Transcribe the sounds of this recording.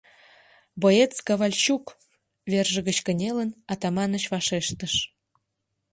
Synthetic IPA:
boet͡skɑβɑlʲt͡ɕuk | βerʒə̆ɣət͡ɕkə̆nʲelənɑt̪ɑmɑnə̆t͡ɕvɑʃeʃt̪əʃ

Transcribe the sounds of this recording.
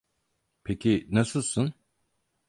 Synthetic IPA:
pʰecʰinasɯlˠsun

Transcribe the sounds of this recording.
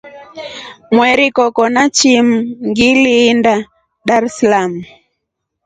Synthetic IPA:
mwɛɾikɔkɔnat͡ʃimuŋɡiliːnda | daɾɛsalamu

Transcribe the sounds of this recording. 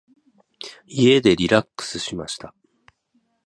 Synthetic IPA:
ie̞d̪e̞ɾʲiɾakːɯ̥sɨɕima̰ɕi̥t̪a

